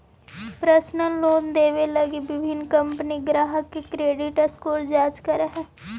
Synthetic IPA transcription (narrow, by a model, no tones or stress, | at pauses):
pɾəsnəloːnd̪eːʋelɐɡibɪbʱɪnkɐ̃mpəniɡɾaːɦəkːekɾeːɖɪʈəskoːɾd͡ʒaːt͡ʃkəɾəɦɛ